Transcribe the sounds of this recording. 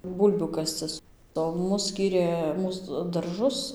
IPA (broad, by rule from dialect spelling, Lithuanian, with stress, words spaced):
ˈbuːlʲbʲuː ˈkɑːst͡sɨs oː ˈmʊs ˈsʲkʲiːrʲeː ˈmuːs dɐrˈʒʊs